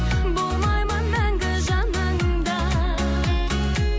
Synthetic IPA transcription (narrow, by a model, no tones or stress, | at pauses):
bolˠmɑjmɑnmæŋɡɪʒɑnɑŋ | d̪ɑ